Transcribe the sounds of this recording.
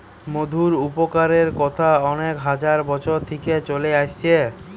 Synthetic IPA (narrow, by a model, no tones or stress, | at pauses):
mod̪ʱuɾupokaɾeɾkɔt̪ʰaɔnekɦad͡ʑaɾbɔt͡ɕʰoɾt̪ʰeket͡ɕoleaʃt͡ɕʰe